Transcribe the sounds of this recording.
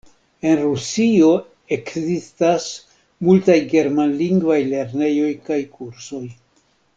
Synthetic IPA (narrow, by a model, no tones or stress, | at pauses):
e̞nɾusio̞ | e̞kzistas | multajɡe̞ɾmanliŋɡvajle̞ɾne̞jo̞jkajkuɾso̞j